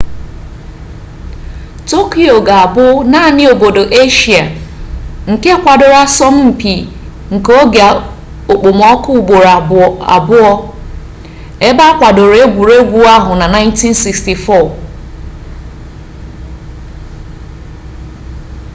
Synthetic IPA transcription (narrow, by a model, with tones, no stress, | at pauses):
to˦ki˨o˨ɡa˨a˨bʊ˦na˦˨nɪ˦o˨bo˨do˨ʔe˦ʃi˨a˨ | ŋ̩˨ke˦a˦kʷa˨dʊ˨ɾa˦sɔ˦m̩˦m̩˨pi˨ | ŋ̩˨ko˦ɡe˨a˨ | o˨k͡po˨m˨ɔ˦kʊ˦˨ɡ͡bo˨ɾa˨a̰˨bʊ˦ɔ˦ | e˦ba˦a˦kʷa˨do˨ɾe˦ɡʷu˨ɾe˦ɡʷu˦a˦ɦʊ˨na˨na˦ɪ˦nti˦n˦si˨ksti˨fɔ˦˨